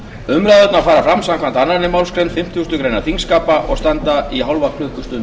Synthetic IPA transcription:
ʏmɾaðœt̪nafaːɾafɾamsamkʰvant̪anːaɾnɪmawlskɾejnfɪm̥t̪just̪ʏkɾejnaθiŋskaːpaʔɔɣst̪ant̪aʔiɦawlvakʰlʏhkʏst̪ʏn

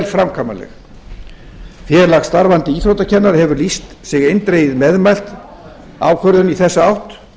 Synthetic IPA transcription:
lfɾamkʰamalɛ̰x | fjɛɾlaxst̪aɾvant̪ɪiːθɾowt̪acʰɛnːaɾ̥hɛvʏlist̪sɪɣejnt̪ɾeːjɪðmɛðmajl̥t̪ | a̰wkʰvœɾðʏniθɛsːaawht̪

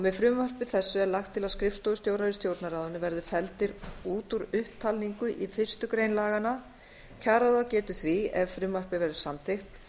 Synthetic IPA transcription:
ɔmɛðfɾʏmvar̥pɪθɛsːʏɛɾlaxt̪ʰːɪlaskɾɪfst̪ɔwʏst̪jowɾaɾɪst̪jowɾt̪naɾaːðʏnɪvɛɾðʏfɛlt̪ɪɾuːt̪uɾʏhp̚t̪ʰalniŋkʏʔifɪ̥st̪ʏkɾejnlaːɣana | cʰaːɾaðawcɛːt̪ʏθviɛ̰vfɾʏmar̥pɪvɛɾðʏ̥samθɪxt̪

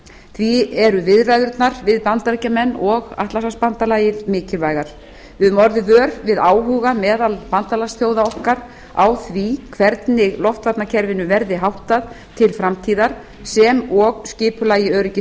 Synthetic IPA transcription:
θviɛɾʏvɪðrajðʏɾt̪naɾvɪðpant̪aɾicamɛnːɔɣa̰ht̪lasaspant̪alaːjɪðmɪːcɪlvaːjɣaɾ̥ | ɪðmɔɾðɪvœːɾvɪðaːwɦuːɣamɛːðalpant̪alasθjowðaɔhkaɾ̥ | a̰wθvikʰvɛɾt̪nɪɣlɔft̪vat̪nacʰɛɾvɪnʏvɛɾðɪɦawht̪að | t̪ʰɪlfɾamt̪ʰiːðaɾ̥ | sɛmɔɣscɪːpʏlajɪœːɾɪcɪ

